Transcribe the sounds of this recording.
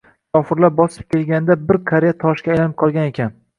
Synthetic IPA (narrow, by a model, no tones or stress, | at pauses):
kʰɒfɪɾlap̚bɒsɪ̥p̚kʲe̞lɡʲand̪abɪɾkʰaɾejat̪ʰɒʃkʲajlanɪp̚qʰɒlˠɡʲane̞kʲan